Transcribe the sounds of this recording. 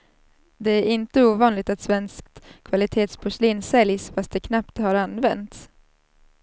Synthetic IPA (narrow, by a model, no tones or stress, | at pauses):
d̪ɛæɾɪnt̪əuːvɑːnlɪɡ̚t̪at̪svɛnskt̪kʰvalɪt̪ʰeːt̪spʰʊʂliːnsɛljsfast̪̚d̪ɛkʰnapt̪haɾanːvɛnt̪s